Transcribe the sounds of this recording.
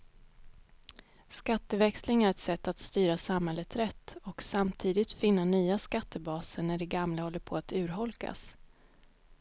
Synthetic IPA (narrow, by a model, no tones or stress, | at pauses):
skat̪ːəvɛkslɪŋæɾɛt̪sɛt̪ːat̪st̪yːɾasamhɛlːət̪ɾɛt̪ːɔksamt̪ʰiːd̪ɪt̪fɪnːanyːaskat̪ʰːəbɑːsənæɖɛɡamləhɔlːəɾpʰɔat̪ʉ̟ːɾɦɔlka̰s